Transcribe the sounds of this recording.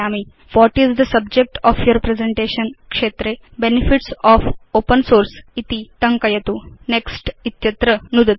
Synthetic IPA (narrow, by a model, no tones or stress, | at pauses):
ami | ʋɔʈizd̪əsɐb̚d͡ʒek̚ʈɔːfjɔɾpɾezẽɳʈeʃənkʂeːt̪ɾe | benifiʈsɔːfopənsoːɾsit̪it̪ɐŋkɐjɐt̪uneksʈit̪jɐt̪ɾənud̪ɐt̪